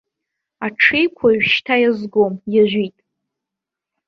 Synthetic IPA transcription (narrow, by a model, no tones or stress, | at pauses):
aʈ͡ʂʰejkʷʰaɥᶣʃtʰajazɡomjaʒᶣʷitʼ